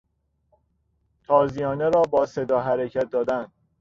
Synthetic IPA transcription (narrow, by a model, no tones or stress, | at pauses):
t̪ʰɒːzijɒːneɾɒːbɒːsed̪ɒːɦæɾecʰæt̪̚d̪ɒːd̪ænd̪